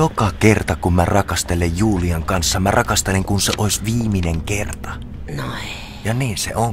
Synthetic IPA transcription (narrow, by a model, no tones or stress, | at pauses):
jokɑkert̪ɑkummærɑkɑst̪elejjuːliɑŋkɑnsːɑmærɑkɑst̪eleŋkunseʔoisʲʋiːmineŋkert̪ɑ | no | jɑniːnsḛʔoŋ